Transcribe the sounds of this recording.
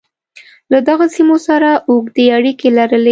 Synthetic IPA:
lad̪aɣasimosaɾaʔoɡd̪eaɽikelaɾəle

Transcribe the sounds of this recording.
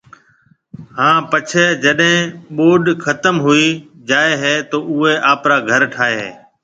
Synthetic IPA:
ɦãːpət͡ʃʰeːd͡ʒəɗɦɪ̃ɓoːɗkʰət̪əmɦʊiːd͡ʒaːeːɦeːt̪oːʔʊɦeːʔaːpɾaːɡʱəɾʈʰaːɦeɦḛː

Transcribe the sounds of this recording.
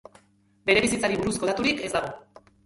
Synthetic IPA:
be̞ɾeβisit͡saɾiβuɾusko̞at̪uɾike̞zd̪aɣo

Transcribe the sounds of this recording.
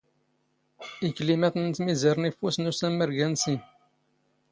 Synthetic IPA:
iklimæθənt̪miziɾnifusnusæmːəɾɡænsin

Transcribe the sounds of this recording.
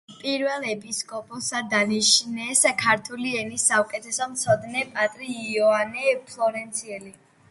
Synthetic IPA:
pʼiɾvɛlˠɛpʰʼiskʼɔpʼɔsad̪aniʃnɛskʰaɾt̪ʰuliɛnisːaukʼɛt̪ʰɛsɔmt̪sʰɔd̪nɛpʼat̪ʼɾiːɔanɛpʰlˠɔɾɛnt̪sʰiɛli

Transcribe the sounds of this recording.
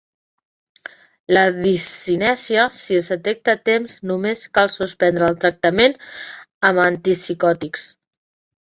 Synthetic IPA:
ləðisinɛsiəsiəzðət̪ɛk̚t̪ət̪emznumeskalˠsuspɛnd̪ɾəːlˠt̪ɾək̚t̪əmen | əmənt̪isikɔt̪iks

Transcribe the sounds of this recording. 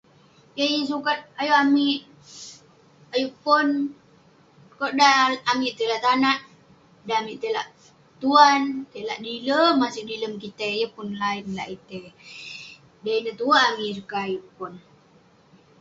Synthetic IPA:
jəjəs̬ukat̪̚ajuamiʔ | ajuʔpɔn | koʔdaːmiʔt̪elaʔt̪anaʔ | daamiʔt̪ela̰ʔ | t̪uant̪ela̰ʔdiləmːasɪdiləmkit̪ejəpʊnlaɪnla̰ʔit̪e | dainət̪uaːmisukaajuʔpun

